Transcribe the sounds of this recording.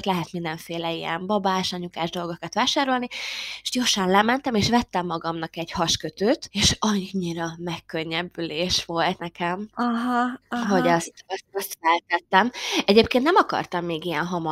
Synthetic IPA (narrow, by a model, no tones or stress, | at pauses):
t̪lɛɦɛt̪mind̪ɛɱfeːlɛijɛ̰mbɒbaːʃɒɲukaːʒd̪o̞lɡo̞kɒt̪ʋaːʃaːɾo̞lnieʃɟorʃɒnlɛmɛn̪t̪ɛmeːʃʋɛt̪ːɛmːɒɡɒmnɒkɛɟhɒʃkøt̪øːt̪eːʃɒɲːiɾɒmɛkːøɲːɛbːyleːʃʋo̞lt̪nɛkɛmɦɦo̞ɟɒst̪ɒst̪ɒst̪fɛlt̪ɛt̪ːɛmɛɟeːp̚keːnnɛmɒkɒ̰rt̪ɒmːeːɡijɛnɦɒm